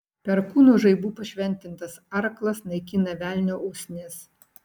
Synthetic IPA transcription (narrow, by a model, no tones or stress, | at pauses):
pʲɛɾkuːnuːʒɐɪbuːpɐʃʲʋʲɛnʲt̪ʲɪnt̪ɐsɐɾklˠɐsnɐɪkʲɪnɐʋʲæːlʲnʲoːʊsʲnʲes